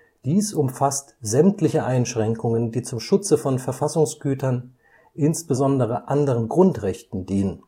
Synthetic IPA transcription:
d̥iːsʊmfastz̥ɛmtlɪçəʔaɪnʃʁ̥ɛŋkʊŋəndiːt͡sʊmʃʊt͡səfɔnfɛɐfasʊŋsɡ̥yːtɐn | ʔɪnsb̥əzɔndəʁ̞əʔandəʁənɡʁʊntʁɛçtn̩diːnən

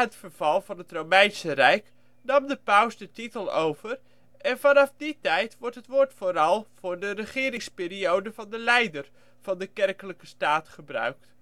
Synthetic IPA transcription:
ɦətfəɹv̥ɑlˠvɑnətromɛjnsərɛjk | nɑmdəpawsdətitəlˠowv̥ər | ʔɛnvɑnɑfditɛjtʋɔɹtɦətʋʊːɹtfoːɾɑlˠv̥ʊːɹdərəχɪːɾɪŋspɪːɾiowdəv̥ɑndəlɛjdər | v̥ɑndəkɛrkələkəstaːtχəbrœ̰ɥkt

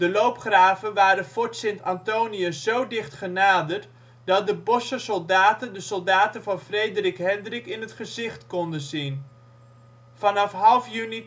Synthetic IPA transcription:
d̥əlowpχraːvənʋaːɾənfɔɹtsɪntɑntowniəzowdɪχtχənaːdərt | dɑt̚dəbɔsəsolˠdaːtəndəsɔlˠdaːtənvɑnfrejdərɪkɦɛndrɪkɪnətχəzɪχtkɔndənzin | fɑnɑfɦɑlˠfjyni

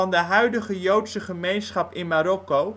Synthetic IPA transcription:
ɑndəɦœɥdəχəjowtsəχəmejnsχɑpɪnmaːɾɔko

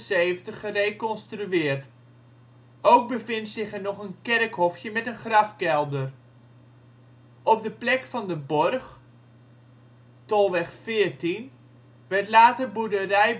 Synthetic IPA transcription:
seːvəntəχːərejkɔnstryɪːərt | owk̚bəfɪntsɪχənɔχənkɛrkhɔfjəmɛtənχrɑfkɛlˠdər | ɔp̚dəplɛkfɑndəbɔrx | tɔlˠʋɛχfɪːərtin | ʋɛrtlaːtərbudərɛj

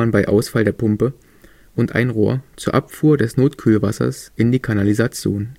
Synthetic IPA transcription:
anbaɪʔaʊsfaldeːɐpʰʊmpə | ʔʊntʔa̰ɪnʁoːɐt͡suːɐʔapfuːɐdɛsnoːtkʰyːlvasɐ̰sʔɪndiːkʰanalizat͡sjo̰ːn

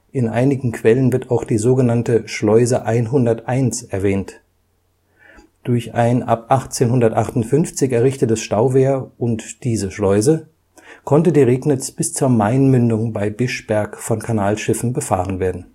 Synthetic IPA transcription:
ʔɪnʔa̰ɪnɪɡŋ̩kʰv̥ɛlənvɪɐtaʊxd̥iːzoːɡənantəʃlɔʏzəʔaɪnɦʊndɐtʔaɪnsɛɐvɛːnt | d̥ʊɐça̰ɪnʔa̰pʔaχt͡seːnhʊndɐtʔaχtʊntfʏnft͡sɪçɛɐʁɪçtətəsʃtaʊveːɐʔʊntd̥iːzəʃlɔʏzə | kʰɔntədiːʁeːknɪt͡sb̥ɪst͡suːɐmaɪnmʏndʊŋbaɪbɪʃb̥ɛɐkfɔnkʰanaːlʃɪfn̩bəfa̰ːʁənveːɐdn̩

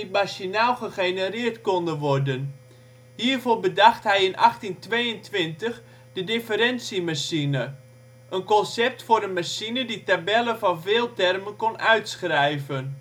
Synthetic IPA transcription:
imaʃinalˠχəχenərɪːrtkɔndənʋɔrdən | hiːərvoːrbədaxtɦɛjɪnʔɑxtintʋeːəntʋɪntəx | d̥ədɪfəɾɛnsimasinə | ʔənkɔnsɛp̚tfʊːɾənmasinəditabɛləvɑnveːlˠtɛrmənkonʔœɥtsxrɛjvən

